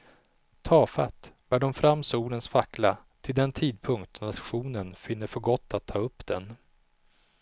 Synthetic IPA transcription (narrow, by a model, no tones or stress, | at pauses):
t̪ʰɑːfat̪b̥æːɖɔmfɾamːsuːlənsfakla | t̪ʰɪld̪ɛnt̪ʰiːd̪̚pʰɵŋkt̪nat̪ɧuːnənfɪnːəɾfœɾɡɔt̪ʰːat̪ʰːɑːɵpːd̪̥ɛn